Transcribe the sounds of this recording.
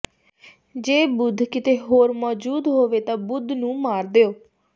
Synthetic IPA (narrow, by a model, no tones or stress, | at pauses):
d͡ʒeːbʊd̪ʱkɪt̪eːɦoːɾmɔːd͡ʒuːd̪ɦoːʋeːt̪ãːbʊd̪ʱnũːmaːɾd̪eːoː